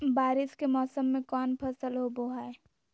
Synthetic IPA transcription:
baːɾɪskemɔːsəmːẽkɔːnpʰəsəlɦoboɦae

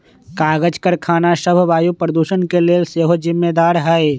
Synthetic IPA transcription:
kaːɡəd͡ʒkəɾkʰaːnaʃəbʱʋaːjupɾəd̪uːʃənkeleseːɦod͡ʒɪmːed̪aːɾɦɛe

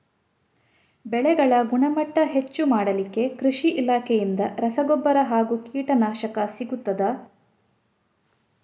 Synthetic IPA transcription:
bɛɭɛɡɐɭɐɡuɳɐmɐʈːɐɦe̞t͡ʃːumaːɽɐlikːe̞kɾuʂiʔilaːkʰejind̪ɐɾɐsɐɡɔbːɐɾɐɦaːɡukiːʈɐnaːʃɐkɐsiɡut̪ːɐd̪ɐ

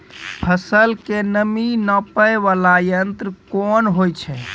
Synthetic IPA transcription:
pʰəsəlkenəminəpəjʋalajənt̪ɾəkonɦojt͡ʃʰɛ

